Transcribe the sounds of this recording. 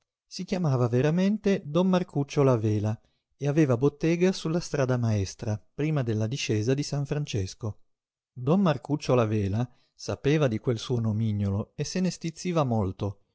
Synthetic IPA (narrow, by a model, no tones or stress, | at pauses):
sikjamaːvaveɾament̪ed̪ɔmːarkut͡ʃːolavɛːla | eaveːvabot̪ːɛːɡasulːast̪ɾaːd̪amaɛst̪ɾapɾiːmad̪elːad̪iʃɛːzad̪isaɱfɾant͡ʃesko | d̪ɔnmarkut͡ʃːolavɛːla | sapeːvad̪ikwelsuːonomiɲjoloesenest̪it̪sːiːvamolt̪o